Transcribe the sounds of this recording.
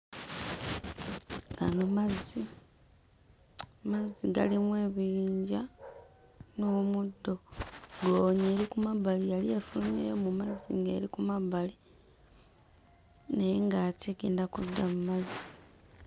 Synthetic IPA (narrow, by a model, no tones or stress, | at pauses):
ɡa̰nomazi | maziɡa̰limwe̞ːβiɾiːɲɟa | nomudːo̞ɡoːβɲe̞ːɾikumaβalijaliefulnḛjomumazḭŋɡe̞̰ːɾikumaβali | nejeŋɡateɡe̞ːndakudːamumazi